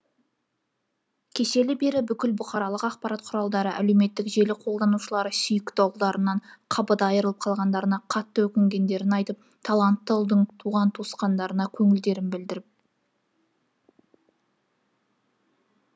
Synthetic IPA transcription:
kʲʰe̞ʃe̞lɪbe̞ɾɪbʏkʲɪlbʊχɑɾɑlˠəqɑqpɑɾɑt̪̚qʰʊɾɑlˠd̪ɑɾəʔæ̰le̞wme̞t̪ːɪkʒe̞lɪqʰo̞lˠd̪ɑnuʃəlˠɑɾəsʏjɪkʲt̪ɑwlˠd̪ɑɾənɑɴqʰɑbəd̪ɑjəɾəlˠəp̚qʰɑlˠʁɑnd̪ɑɾənɑqʰɑt̪ːəwɵkʲɪŋɡʲe̞nd̪e̞ɾɪnɑjt̪əp̚ | t̪ʰɑlˠɑnt̪ːəlˠd̪əɴt̪ʰuʁɑnt̪ʰosqɑnd̪ɑɾənɑkʲʰɵŋɪld̪e̞ɾɪnbɪld̪ɪɾɪp̚

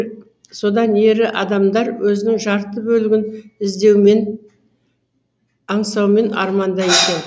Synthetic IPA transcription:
so̞d̪ɑne̞ɾɪʔɑd̪ɑmd̪ɑɾwɵzɪnɪŋʒɑɾt̪əbɵlɪɡʲɪnɪzd̪e̞wmen | ɑɴsɑwme̞nɑ̰ɾmɑnd̪ɑje̞kʲe̞n

